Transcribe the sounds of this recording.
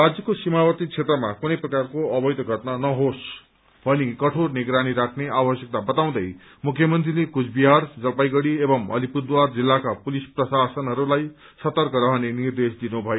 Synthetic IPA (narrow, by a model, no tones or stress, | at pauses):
rad͡zjʌkosimawʌt̪it͡sʰet̪rʌmakunʌjprʌkarkoʌbʌjt̪ʌɡʱʌt̪nanʌɦos | bʱʌnikʌʈʰorniɡɾaniɾakʰneabʌsjʌk̚t̪abʌt̪aw̃d̪ʌj | mukʰjʌmʌnt̪rilekut͡sʰbiɦard͡zʌlpajɡʌɽiebʌmʌ̰lipud̪ward͡zilːakapulisprʌsasʌnɦʌɾulaj | sʌt̪ʌrkʌɾʌɦʌnenird̪esd̪inubʱʌjo